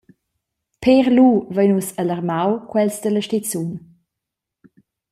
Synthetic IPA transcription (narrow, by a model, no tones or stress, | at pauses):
pʰeʁluvəjnusaləʁmawkwɛlsdələʃtit͡sun